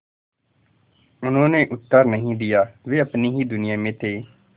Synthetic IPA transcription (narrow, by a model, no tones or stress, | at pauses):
ʊnõːneːʔʊt̪ːəɾnəɦĩːd̪ɪjaːʋeːəpniːɦiːd̪ʊnɪjaːmẽːt̪eː